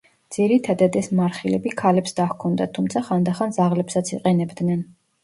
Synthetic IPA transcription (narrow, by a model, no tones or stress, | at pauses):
d̪z̥iɾit̪ʰad̪ad̪ɛsmaɾχilɛbikʰalɛpsd̪ahkʰɔnd̪at̪ʰumt̪sʰaχand̪aχanzaʁlɛpsat̪sʰiqʼɛnɛbd̪nɛn